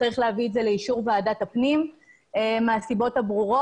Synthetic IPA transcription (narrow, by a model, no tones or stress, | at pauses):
t͡saʁiχleavietzele̞iʃuʁveaːdatapnim | emeasibo̞thabʁuʁo